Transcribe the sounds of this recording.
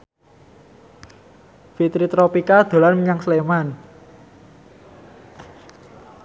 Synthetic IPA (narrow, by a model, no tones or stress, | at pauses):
fit̪ɾit̪ɾopikad̪̥o̤larmiɲaŋsleman